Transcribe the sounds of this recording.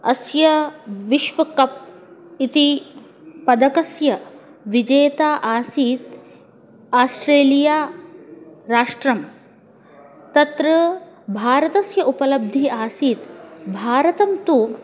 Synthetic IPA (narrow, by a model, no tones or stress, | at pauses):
ɐ̰sjɐʋiʃʋɐkɐp̚it̪i | pɐd̪ɐkɐsjɐ | ʋid͡ʒeːt̪aːʔaːsiːt̪ | aːsʈɾeːlijaː | ɾaːʂʈɾɐm | t̪ɐt̪ɾɐbʱaːɾɐt̪ɐsjɐupɐlɐb̚d̪ʱiaːsiːt̪bʱaːɾɐt̪ɐmt̪u